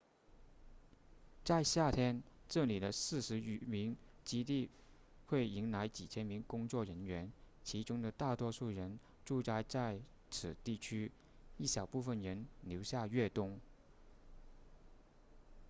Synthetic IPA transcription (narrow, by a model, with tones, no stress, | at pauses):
t͡sa˥˧ɪɕja˥˩t̪ʰjɛ˥nʈ͡ʂɤ˥˩li˨˩d̪ə˦sɹ̩˥˩ʂɻ̩˧˥˨mi˧˥ŋt͡ɕi˥t̪̬i˥˧ | xwe˥˩ɪi˧˥ŋla˧˥ɪt͡ɕi˨˩t͡ɕʰjɛ˥nmi˧˥ŋkʊ˥ŋt͡swɔ˥˩ɻə˧˥nɥɛ˧˥n | t͡ɕʰi˧˥ʈ͡ʂʊ˥ŋd̪ə˨t̪a˥˩t̪wɔ˥ʂu˥˩ɻə˧˥n | ʈ͡ʂu˥˧t͡sa˥˧ɪt͡sa˥˧ɪ | t͡sʰɹ̩˨˩t̪i˥˩t͡ɕʰy˥ | i˥˩ɕjɑ˨˩ʊpu˥˩fə˥˩nɻə˧˥nljo˧˥ʊɕja˥˧ɥɛ˥˩t̪ʊ˥ŋ